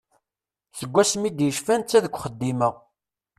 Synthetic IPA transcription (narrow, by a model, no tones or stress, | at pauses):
θəɡʷːæsmid̪jəʃfænt͡sːæðəkʷːχəd̪ːiməʁ